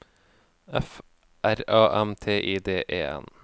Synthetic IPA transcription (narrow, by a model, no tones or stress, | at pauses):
ɛf | ʔæɾɑːʔɛmt̪ʰeːʔiːd̪eːʔeːɛ̰n